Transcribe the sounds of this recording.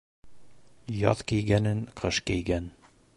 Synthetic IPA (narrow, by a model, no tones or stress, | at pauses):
jɒðkijɡænɘnqʰɤʃkɘjɡæn